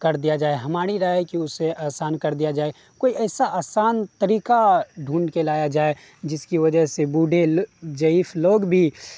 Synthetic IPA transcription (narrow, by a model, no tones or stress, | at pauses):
kɐɾd̪ijad͡ʒaːeɦɐmaːɾiɾaɦkiʊsːeʔaːsaːnkɐɾd̪ijad͡ʒaːe | koːiɛːsaʔaːsaːnt̪əɾiːkaɖʱũːɳɖkelaːjad͡ʒaːe | d͡ʒɪskiʋɐd͡ʒəɦsebuːɖʱed͡ʒəifloːɡbʱi